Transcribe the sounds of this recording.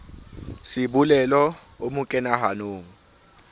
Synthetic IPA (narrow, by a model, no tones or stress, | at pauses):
sɪbulɛlɔ | omʊkʼɛnaɦanoːŋ̩